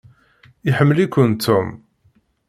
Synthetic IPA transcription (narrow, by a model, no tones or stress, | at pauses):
iħəmːəlikʷːənt̪ʰːum